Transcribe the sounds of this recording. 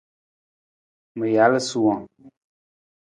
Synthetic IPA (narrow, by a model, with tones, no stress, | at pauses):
mə˨ja˨˦lə˦su˦˨wã˨